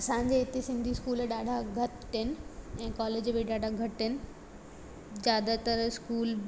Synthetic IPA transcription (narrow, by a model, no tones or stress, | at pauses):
ɐsãːɲd͡ʑeɪt̪esɪ̃nd̪ʱiskuːlɗaːɖʱaɡʱɐt̪ | ɦɪnɪ̆ɛ̃ːkɔːleːd͡ʑbiɗaːɖʱaɡʱɐʈɦɪnɪ̆ | zjaːd̪at̪ɐɾskuːl